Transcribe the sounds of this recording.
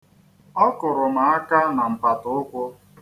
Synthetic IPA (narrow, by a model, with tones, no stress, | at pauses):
ɔ˦kʊ˨ɾʊ˨ma˨a˦ka˦na˨m̩˨pa˨tʊ˦ʊ˦kʷʊ˦